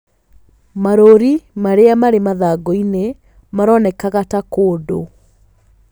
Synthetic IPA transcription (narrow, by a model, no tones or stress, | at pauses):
maɾoɾimaɾeamaɾemaðaɡɔine | maɾɔnɛkaɣatakoːdo̰